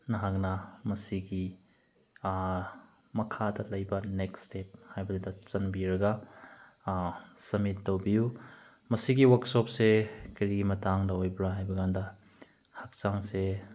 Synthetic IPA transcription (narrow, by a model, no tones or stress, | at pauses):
nɐɦak̚nɐmɐsiɡi | mɐkʰadɐlɐjbɐnekstep̚hajbɐdedɐt͡ʃɐnbiɾɐɡɐ | sɐmitːɐwbiju | mɐsiɡiwaksɔp̚sekɐɾiɡimɐtaŋdɐwojbɾaɦajbɐɡandɐ | hak̚t͡ʃaŋse